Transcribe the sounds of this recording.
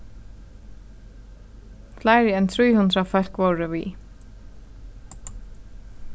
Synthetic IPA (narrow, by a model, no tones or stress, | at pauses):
flaːjɾɪɛnt̪ʰɾiːjhund̪ɾafœl̥kvoːɾɪvḭ